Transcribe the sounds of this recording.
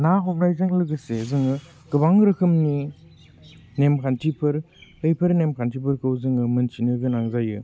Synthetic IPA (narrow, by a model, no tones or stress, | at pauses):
naɦɔŋnajzaŋlɯɡɯsezɯŋɯ | ɡɯbaŋɾɯkʰɯmni | nemkʰantʰipʰɯɾ | ɯjpʰɯɾnemkʰantʰipʰɯɾkʰɯwzɯŋɯmɯnsinɯɡɯnaŋzajɯ